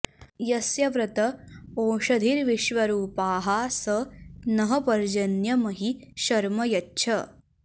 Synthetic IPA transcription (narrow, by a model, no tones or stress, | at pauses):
jɐsjɐʋɾɐt̪ɐoːʂɐd̪ʱiːɾʋiʃʋɐɾuːpaːɦaːsɐnɐɦɐpɐɾd͡ʒɐnjɐmɐɦiʃɐɾmɐjɐtːʃʰɐ